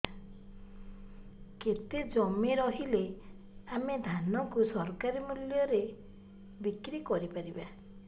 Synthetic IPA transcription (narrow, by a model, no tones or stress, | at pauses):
ket̪ed͡ʒɔmeɾɔɦile | amed̪ʱanɔkusɔɾkaɾimuljɔɾe | bikɾikɔɾipaɾiba